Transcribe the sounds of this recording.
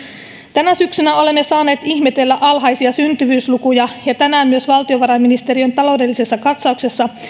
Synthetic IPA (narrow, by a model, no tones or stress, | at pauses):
t̪ænæsyksynæo̞le̞mːe̞sɑːne̞ːt̪içme̞t̪e̞lːæʔɑlɦɑjsiɑsynt̪yʋyːslukujɑjɑt̪ænæːmːyøsʋɑlt̪io̞ʋɑɾɑminist̪eɾiont̪ɑlo̞wde̞lːise̞sːɑkɑt̪sɑukse̞sːɑ